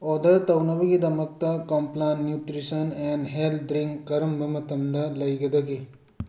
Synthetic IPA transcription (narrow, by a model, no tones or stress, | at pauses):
ɔd̪ɐɾt̪ɐwnɐbɐɡid̪ɐmɐk̚t̪ɐkɔmplanːjuʈɾisɐnɛ̃nɦeld̪ɾĩŋkɐɾɐmbʱɐmɐt̪ɐmd̪ɐlɐjɡed̪ɐɡi